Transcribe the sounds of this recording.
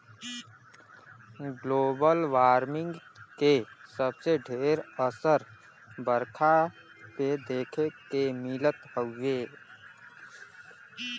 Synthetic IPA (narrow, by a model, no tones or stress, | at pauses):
ɡloːbəlʋaːɾmɪ̃ŋɡkesəbseɖʱeːɾəsəɾ | bəɾkʰa | ped̪eːkʰekemɪlət̪həːeː